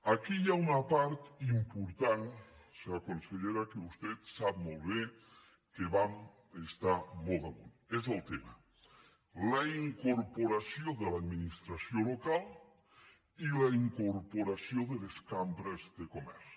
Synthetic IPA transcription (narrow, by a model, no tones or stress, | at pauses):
akiʎaunapaɾt̪impuɾt̪anseakonseʎeɾakeβust̪et̪sapmolˠβe | keβam | est̪amolˠt̪aɣun | ezelˠt̪ema̰ | laiŋkoɾpoɾasjoðelad̪minist̪ɾasjolokal | ilaiŋkoɾpoɾasjoðeleskambɾezðekomɛ̰ɾs